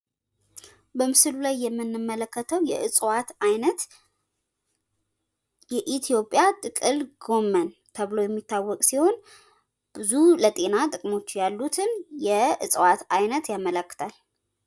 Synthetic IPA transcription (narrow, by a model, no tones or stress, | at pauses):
bəmɨsɨlulajːɛmːɨnːɨmːələkːət̪ʰəwjɛʔɨsʼwat̪ʔajnət̪ | jɛʔit̪ʰjo̞pʼːjat̪ʼɨkʼɨlɡo̞mːənt̪ʰəβlo̞jɛmːit̪ʰːawːɔkʼsiho̞n | b̥ɨzulət̪ʼe̞nat̪ʼɨkʼmo̞t͡ʃːjalːut̪ʰɨnjɛɨsʼwat̪ajnət̪jamːələkːɨ̥t̪ʰal